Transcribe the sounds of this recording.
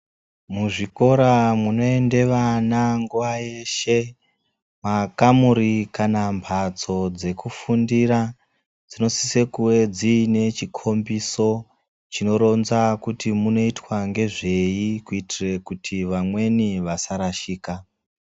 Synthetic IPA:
muʐiko̞ɾamuno̞e̞nde̞ʋanaŋɡuʋaje̞ʃe̞ | makamuɾikanampʰad͡zo̞d͡ze̞kufundiɾa | d͡zino̞si̥se̞kuwe̞d͡ziːne̞t͡ʃikʰo̞mbiso̞ | t͡ʃino̞ɾo̞nzakutimuno̞itwaŋɡe̞ʐe̞jikuitire̞kutʰiʋamwe̞niʋasaɾaʃiːka

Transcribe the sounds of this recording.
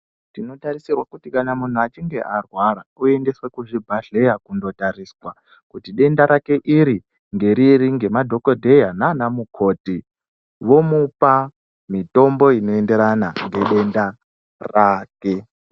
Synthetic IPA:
tino̞tarisirwakutikanamun̤uat͡ʃiŋɡe̞ʔarwaɾaue̞nde̞swekuʐibʱaɬe̞jakundo̞tariːswa | kutiɗe̞ndaɾake̞ʔiɾi | ŋɡe̞ɾiriŋɡe̞madʱo̞kodʱejananamukʰo̞ːti | ʋo̞mupa | mito̞mbo̞ino̞e̞nde̞ɾanaŋɡe̞ɗe̞nda | raːke̞

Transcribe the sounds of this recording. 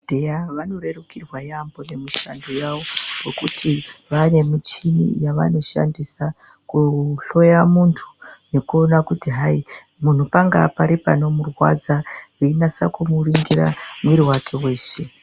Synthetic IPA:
dʱejaʋano̞re̞rukirwajambo̞ne̞muʃandojaʋo̞rekutiʋane̞mit͡ʃinḭjaʋa̰no̞ʃa̰ndisa | kuɬo̞jamuntʰu̥ne̞kuo̞nakutiɦai | mun̤upaŋɡa̰paɾipano̞murwa̰d͡zaʋuinasa̰kumuriŋɡira̰mwiɾiwakʰe̞we̞ːʃe̞

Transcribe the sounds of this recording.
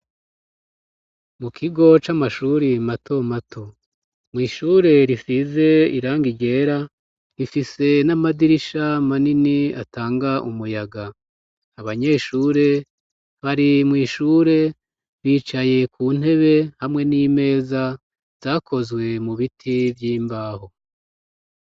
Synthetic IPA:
mukʰiɡo̞t͡ʃamaʃuɾimatʰo̞matʰo | mŋiːʃuːɾe̞ɾisize̞ḭɾaːŋɡiɟe̞ːɾa | ɾifise̞namadiɾiʃamaninia̰taːŋɡaʔumujaɡa | aβaɲe̞ːʃuːɾe̞ | βaɾimŋiːʃuːɾe̞ | βiːt͡ʃaje̞kʰuːn̥he̞βe̞hamŋe̞niːme̞ːza | z̥aːkʰo̞zɡwe̞muβitʰivjiːmbaːho̞

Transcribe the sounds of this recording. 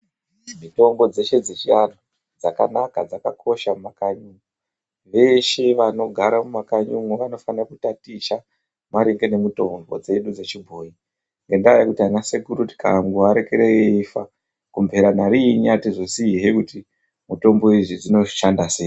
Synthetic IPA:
mito̞mbo̞d͡ze̞ʃe̞d͡zet͡ʃiano | d͡zaka̰nakad͡zakakʰo̞ʃamumakaɲumu | ʋe̞ʃe̞ʋano̞ɡʱaɾamumakaɲuŋuʋano̞fanirakutatiʃa | maɾeŋɡe̞ne̞muto̞mbo̞̰d͡ze̞ɗud͡zet͡ʃibʱoji | ŋɡe̞ndajakutianaseɡʱuɾuti̥ka̰ŋɡuaɾe̞keɾeeifa | kumvʱe̞ɾanaɾiɲatiʐosiɦekuti | muto̞mbo̞iʐid͡zino̞ʃandase̞ː

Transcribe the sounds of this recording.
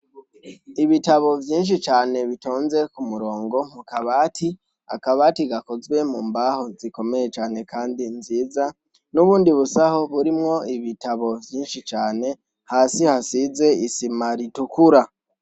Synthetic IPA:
iβitaβo̞vjiːnʃ̬it͡ʃaːne̞βitoːnze̞kumuɾo̞ːŋɡo̞mukaβaːti | a̰kaβaːtiɡako̞zwe̞muːmbaho̞ziko̞me̞je̞t͡ʃaːne̞kʰaːndinziːza | nuβuːndiβusaho̞βuɾimŋo̞iβitaβo̞vjiːnʃit͡ʃaːne̞ | haːsihasize̞isimaɾitukuɾa

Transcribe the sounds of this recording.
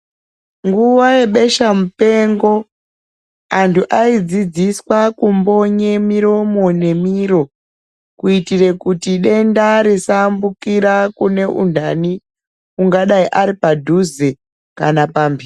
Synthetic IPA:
ŋɡuʋaje̞ɓe̞ʃamupe̞ŋɡo̞ | antʰuʔaid͡zid͡ziswakumbo̞ɲe̞miɾo̞mo̞ne̞miɾo̞ | kuitire̞kutiɗe̞ndaɾesambukiɾakune̞ʔṵndʱani | kuŋɡaɗaiʔaɾipadʱuze | kanapambir

